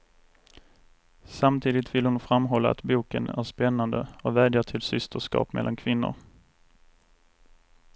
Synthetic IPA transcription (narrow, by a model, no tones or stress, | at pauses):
samt̪ʰiːd̪ɪt̪vɪlhʊnfɾamːɦɔlːa̰a̰t̪buːkə̰næ̰ɾʂpɛnːand̪ə̰ɔvæːd̪jaʈʰɪlsʏst̪ʰəʂkɑ̰ːpmɛ̰lʔankʰvɪnːʊ̰ɾ